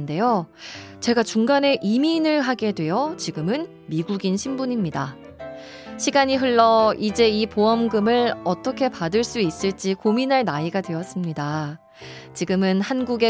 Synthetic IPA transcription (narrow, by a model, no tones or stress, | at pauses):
nde̞jo | t͡ɕe̞ɡat͡ɕuŋɡane̞ʔiminɯɭɦaɡe̞dwe̞jʌt͡ɕiɡɯmɯn | miɡuɡinɕʰimbuɲimɲida | ɕʰiɡaɲiɦɯɭːʌid͡ʑe̞ipoʌmɡɯmɯɭʌt͈ʌkʰe̞padɯɭs͈uis͈ɯɭt͡ɕ͈ikominɦaɭnaiɡadwe̞ʌs͈ɯmɲida | t͡ɕiɡɯmɯnhanɡuɡe